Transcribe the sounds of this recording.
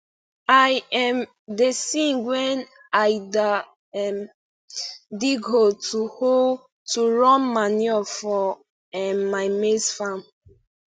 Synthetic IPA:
ajɛm | desĩnɡwɛn | aɪda | ɛm | diɡɦotʰuho | tuɹɔ̃nmaniɔfɔ | ɛmːaɪmesfam

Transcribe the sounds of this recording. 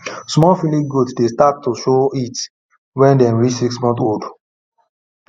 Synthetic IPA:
smɔfiliɡudsdestat̚tːuʃoit | wɛ̃ndɛ̃mɹit͡ʃsiksmɔ̃nθod

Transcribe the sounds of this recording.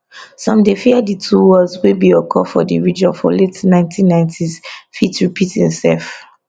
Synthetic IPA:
sɔ̃mdefiaditʰuwɔzwebiɔkʰɔfɔdiɹid͡ʒɔ̃nfɔ̰letnãɪ̃ntʰĩnːãɪ̃ntʰizfitɹipʰitĩnsɛ̰f

